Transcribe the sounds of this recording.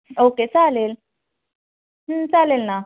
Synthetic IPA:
oːket͡saleːl | ɦ̩t͡salelna

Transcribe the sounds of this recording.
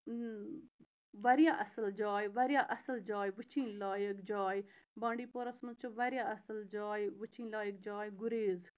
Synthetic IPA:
ʋɐɾjaːʔɐsəld͡ʒaːjʋɐɾjaːʔɐsəld͡ʒaːjʋɨt͡ʃʰĩnlaːjəkd͡ʒaːjbãːɳɖiːpoɾɐsnũt͡ʃuʋɐɾjaːɐsəld͡ʒaːjʋɨt͡ʃʰĩːnlaːjək̚d͡ʒaːjɡuɾeːz

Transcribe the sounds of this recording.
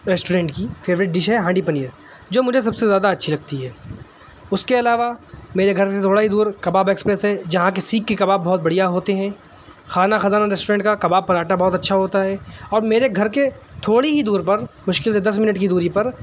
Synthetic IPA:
ɾɛːsʈuːɾɛ̃ːɳʈkifʰeːʋɾɪʈ̚ɖɪʃɦɛɦãːɳɖipɐniːəɾ | d͡ʒoːmʊd͡ʒʱes̬ɐbsezjaːd̪aɐtːʃʰilɐɡ̚t̪iɦɛː | ʊskeɐlaːʋameːɾeɡʱɐɾset̪ʰoːɽaɦid̪uːɾkɐbaːbeːkspɾɛsɦɛd͡ʒɐɦãk̬esiːkːekɐbaːbːɔɦɔt̪̚bɐɽijaɦoːt̪eɦɛ̃ | xaːnaxɐzaːnaɾɛsʈoɾɛ̃ːʈkakɐbaːb̚pɐɾaːʈabɔɦɔt̪ɐtːʃʰaɦoːt̪aɦɛːɔːɾmeːɾeɡʱɐɾket̪ʰoːɽiɦid̪uːɾpɐɾmʊʃkɪlsed̪ɐs̬mɪnəʈkid̪uːɾipɐɾ

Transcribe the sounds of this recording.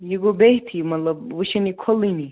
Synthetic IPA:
jiɡobeɦt̪ʰimɐt̪lɐb̚ʋɨʃɐnikʰolːini

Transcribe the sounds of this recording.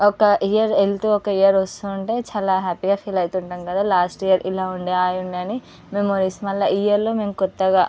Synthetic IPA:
ɔkɐʔijɐɾelt̪uɔkɐijɐɾʋɐst̪uːuɳʈe̞ːt͡ʃaːlaːɦaːpiɡaːpʰiːlɐjt̪uɳʈɐːmkɐd̪aːlaːsʈijɐɾʔilaːuɳɖeaːjuɳɖɐni | memoːɾismɐlːɐʔijɐɾloːmeːmukɔt̪ːɐɡaː

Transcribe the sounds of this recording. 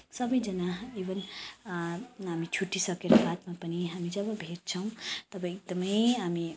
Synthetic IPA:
sʌbʌjd͡zʌnaebʌn | ɦamit͡ʃʰuʈːisʌkeɾabat̪mapʌniɦamid͡zʌbʌbʱeɾ̚t͡sʰʌw̃t̪ʌbãk̚d̪ʌmʌjɦami

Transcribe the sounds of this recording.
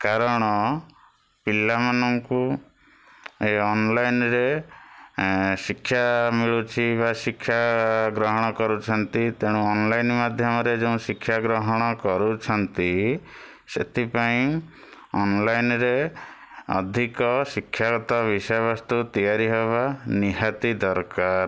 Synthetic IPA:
kaɾɔɽ̃ɔ | pilamanɔŋku | eɔnlajnɾe | sikʰːjamiɭut͡ʃʰiβasikʰːjaɡɾɔɦɔɽ̃ɔkɔɾut͡ʃʰɔnt̪it̪eɽ̃ũɔnlajnmad̪ʱjɔmɔɾed͡ʒeũsikʰːjaɡɾɔɦɔɽ̃ɔkɔɾut͡ʃʰɔnt̪i | sḛt̪ʰipaĩ | ɔnlajnɾe | ɔ̰d̪ʱikɔsikʰːjaɡɔt̪ɔbisɔjbast̪ut̪ijaɾiɦeβaniɦat̪id̪ɔɾkaɾ

